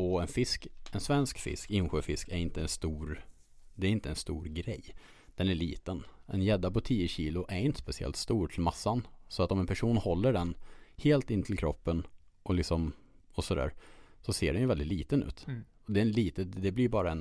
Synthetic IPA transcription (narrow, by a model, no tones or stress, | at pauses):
ɔɛnfɪskɛnsvɛnskfɪ̰skɪnɧøːfɪskæɾɪnt̪əɛnst̪uːɾ | d̪ɛæɾɪnt̪əɛnst̪uːɾɡɾɛj | d̪̥ɛnæɭiːt̪ənɛ̰njɛd̪ːapɔt̪ʰiːəɕiːlʊʔæɾɪnt̪ə̥spɛsɪɛ̰lt̪st̪uːɾʈʰɪlmasːansɔat̪ɔmɛnpʰæʂuːnhɔlːəɖɛnheːlt̪ɪnːət̪ʰɪlkʰɾɔpːən | ʔɔlɪksɔm | ɔsɔd̪æ̰ːɾsɔsḛːɖɛnjʏvɛld̪ɪt̪liːt̪ənʉ̟ːt̪ | ɔd̪ɛnliːt̪əd̪ɛblɪɾbɑːɾaɛn